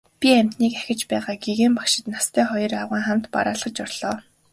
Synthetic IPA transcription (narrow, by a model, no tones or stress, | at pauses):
pʲiæm̥ʲt̪niːkæ̥xʲɪ̆t͡ɕpæːʁaːɡiɣeːmpakʃɪ̆t̪nast̪ʰæːχɔjɞ̆raʁiːŋχam̥t̪pa̰ɾaːɮʁ̥ə̆t͡ɕɔrɮ̥ɔː